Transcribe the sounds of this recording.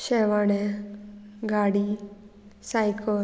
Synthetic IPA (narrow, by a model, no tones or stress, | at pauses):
ʃɛːʋaːne | ɡaːɽi | sajkʰɔ